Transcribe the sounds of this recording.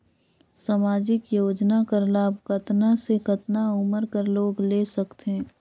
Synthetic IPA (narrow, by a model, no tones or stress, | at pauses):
samaːd͡ʒɪkjoːd͡ʒnakəɾlaːbkɐt̪nasekɐt̪naʊməɾkəɾloːɡleːsɐkt̪eɦɛ̃